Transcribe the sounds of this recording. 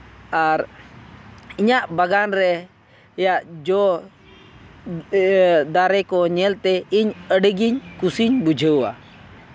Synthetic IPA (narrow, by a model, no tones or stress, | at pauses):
aɾ | iɲaʔbaɡanɾɛ | jaʔd͡ʒɔ | d̪aɾɛkɔɲɛlt̪ɛiɲəɖəɡiɲkusiɲbud͡ʒʱəwa̰